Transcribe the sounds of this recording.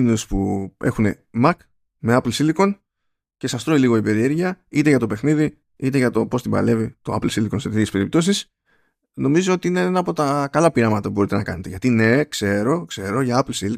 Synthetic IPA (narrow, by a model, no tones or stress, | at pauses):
nuspue̞̰xune̞ | mɐk | me̞ɐplsiliko̞n | ce̞sɐst̪ɾoiliɣo̞ipe̞ɾie̞ɾʝiɐit̪eʝɐt̪o̞pe̞xniði | it̪e̞ʝɐt̪o̞po̞st̪imbɐ̰le̞vit̪o̞̰ɐ̰plsiliko̞nset̪icepe̞ɾip̚t̪o̞sis | no̞mizo̞ot̪iineenɐːpo̞t̪ɐkɐlɐpiɾɐmɐt̪ɐpubo̞ɾit̪enɐkɐ̰net̪e̞̰ʝɐt̪ine̞kse̞ɾo̞kse̞ɾoʝɐɐplsili